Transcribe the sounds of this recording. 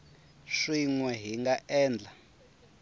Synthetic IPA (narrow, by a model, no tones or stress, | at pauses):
ʂiŋwɛɦiŋɡaʔɛːnd͡ɮa